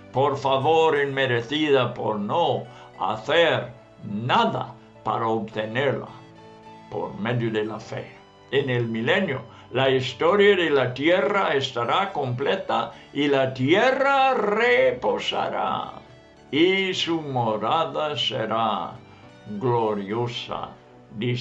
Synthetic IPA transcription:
poɾfaβoɾenmeɾeθiðapo̰ɾno | a̰θeɾ | naða̰ | pa̰ɾaoβt̪eneɾla̰ | po̞̰ɾmeðjoðelafḛ | enelmilenjo̰ | laist̪oɾjaðelat̪jeraest̪aɾako̞mplet̪ailat̪jerareposa̰ɾa̰ | isumoɾaðasḛɾa | ɡloɾjosa̰ | d̪i

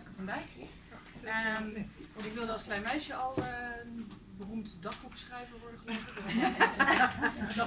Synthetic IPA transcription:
kəfɔnbɛj | ə | ɔnɪkʋɪlˠdəɑlˠsklɛjnmɛjʃjəɔlˠn | bərumtdɔχb̥uksχrɛjvəɹʋɔɹdəχəlɪχɔ

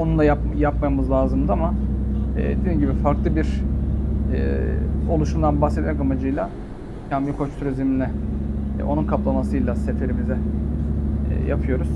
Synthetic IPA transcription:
onunlˠaja | japmamɯzlˠaːzɯmd̪ɯama | ɛ̰ːd̪ed̪iːmɟibifaɾklˠɯbiɾ̥ | ɛ̰ːo̞lˠuʃumd̪anbaxsɛt̪̚mɛkamad͡ʒɯjlˠa | cʰambikʰot͡ʃt̪ʰyɾezimnlːʲɛ | ʔo̞nunkʰaplˠamasɯjlˠase̞t̪ʰe̞ɾimizɛ | ja̰pʰɯjo̞ɾuz̥

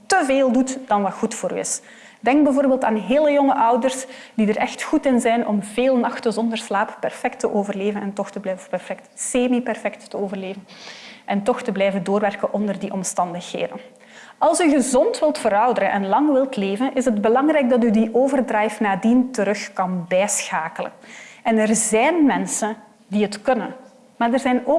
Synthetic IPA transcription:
təveːlˠdutd̥ɑnʋɑtxutfoːɾy̰ɪ̰s | dɛŋɡ̚bɛjvoːrbeːlˠtaːnɦeːləjɔŋəʔʌwdərsd̥idərɛxtxutɪnzɛjnʔɔmveːlˠnɑxtəzɔndərslaːppɛrfɛk̚təʔoːvərleːvənɛntɔxtəblɛvpɛrfɛk̚tseːmipɛrfɛk̚tːəoːvərleːvənʔɛntɔxtəblɛjvəndoːrʋɛrkənʔɔndərdiʔɔmstɑndəxɦḛːdən | ɑlˠsyɣəzɔntʋɪlˠtfəɾɑwdəɾə̰nʔɛ̰nlɑŋʋɪlˠtleːvənʔɪsədbəlɑŋrɛjɡ̚dɑt̬ydiʔoːvərdrɛjfnaːdintəɾɵxkɑnbɛːsxaːkələ̰nɛnərzɛjnmɛnsən | diɦətkɵnən | maːrdərzɛjnoː

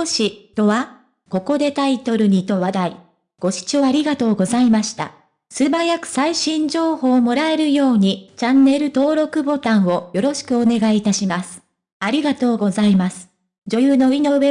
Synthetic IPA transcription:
oɕit̪o̞βa | ko̞ko̞d̪e̞t̪ait̪o̞ɾɯ̟ɲ̟it̪o̞βad̪ai | ɡ̥o̞ɕi̥t͡ɕoaɾʲiɡat̪o̞ːɡo̞zaimaɕi̥t̪a̰ | sɨbajakɯ̟̥saiɕĩɲ̟d͡ʑo̞ːho̞ːmo̞ɾae̞ɾɯ̟jo̞ːɲ̟it͡ɕãnːe̞ɾɯ̟t̪o̞ːɾo̞kɯ̟bo̞t̪ãɰ̃o̞jo̞ɾo̞ɕi̥kɯ̟o̞ne̞ɡaiːt̪aɕimasɨ̥ | aɾʲiɡat̪o̞ːɡo̞zaimasɨ̥ | d͡ʑo̞jɯːno̞ino̞βe

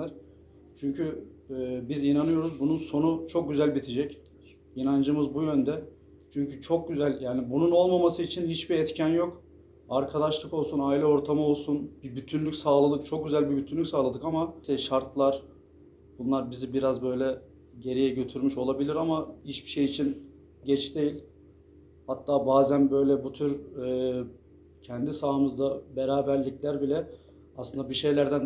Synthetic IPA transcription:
æɾ | t͡ʃʰyɲcʰyː | bizinanɯjo̞ɾuzbununso̞nut͡ʃʰo̞k̚ɟyzælʲbit̪ʰed͡ʒɛc | inand͡ʒɯmɯzbujø̞nd̪ɛ | t͡ʃʰyɲcʰyt͡ʃʰo̞k̚ɟyzælʲjaːnibununo̞lˠmamasɯit͡ʃʰinhit͡ʃbiɛt̪cʰanjo̞k | aɾkʰad̪aʃlˠɯko̞lˠsunaːilʲɛo̞ɾt̪ʰamɯo̞lˠsunbibyt̪ʰynlʲycʲsaːlˠalˠɯk̚t͡ʃʰok̚ɟyzælʲbibyt̪ʰynlʲːycsaːlˠad̪ɯkamat̪ɛʃaɾt̪lˠaɾ̥ | b̥unlˠaɾbizibiɾazbø̞jlʲɛ | ɟe̞ɾijɛɟø̞t̪ʰyɾmyʃo̞lˠabilʲiɾamaiʃbi̥ʃejit͡ʃʰin | ɟɛt͡ʃd̪e̞jilʲ | hat̪ːaːbaːzænbø̞jlʲɛbut̪ʰyɾɯː | cʰɛnd̪isaːmɯzd̪abeɾaːbæɾlʲiclʲæɾbilʲɛ | aslɯnd̪abiʃe̞jlʲæɾd̪æn

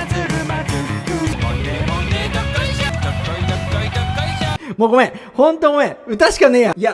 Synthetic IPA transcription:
moːɡomẽhõnt̪oɡomẽɯ̟t̪aɕi̥kanejaia

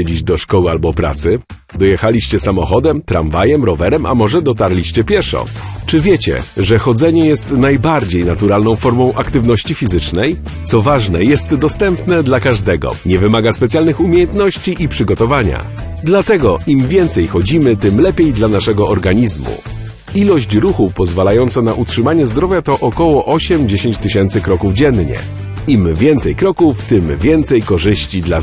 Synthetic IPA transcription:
ɛd͡ʑid͡ʑd̪ɔʂkɔwɘalbɔpɾa̰t̪sɘ | d̪ɔjɛxalʲiɕt͡ɕɛsamɔxɔd̪ɛmt̪ɾa̰mvajɛmɾɔvɛɾɛmʔa̰mɔʐɛd̪ɔt̪aɾlʲiɕt͡ɕɛpʲjɛʂɔ̰t͡ʂɘvʲjɛt͡ɕɛ̰ʐɛxɔd̪zɛɲɛjɛst̪najbaɾd͡ʑejnat̪uɾalnɔ̃w̃fɔɾmɔ̃w̃ʔakt̪ɘvnɔɕt͡ɕifʲizɘt͡ʂnɛj | t̪sɔvaʐnɛjɛst̪d̪ɔst̪ɛmpnɛd̪lakaʐd̪ɛɡɔ̰ɲɛvɘmaɡaspɛt̪sʲjalnɘxumʲjejɛnt̪nɔɕt͡ɕiʔipʂɘɡɔt̪ɔvaɲa̰ | d̪lat̪ɛɡɔʔimvʲjɛnt̪sɛjxɔd͡ʑimɘt̪ɘmlɛpʲjejd̪lanaʂɛɡɔɔɾɡaɲizmṵ | ilɔɕt͡ɕɾuxupɔzvalajɔnt̪sɛnaʔutʂɘmaɲɛzd̪ɾɔvʲjat̪ɔʔɔkɔwɔʔɔɕɛmd͡ʑeɕeɲt͡ɕt̪ɘɕɛnt̪sɘkɾɔkuvd͡ʑɛnɲɛ̰ | imvʲjɛnt̪sɛjkɾɔkuft̪ɘmvʲjɛnt̪sɛjkɔʐɘɕt͡ɕid̪la

